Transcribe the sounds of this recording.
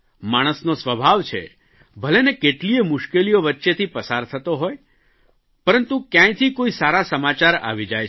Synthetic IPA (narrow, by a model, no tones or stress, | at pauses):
maɽ̃əsnosʋəbʱaʋt͡ʃʰḛ | bʱəlenekeʈliemʊʃkelijoʋətːʃet̪ʰipəsaɾt̪ʰət̪oɦoj | pəɾənt̪ũkjãj̃t̪ʰikoisaɾasəmat͡ʃaɾa̰ʋid͡ʒaj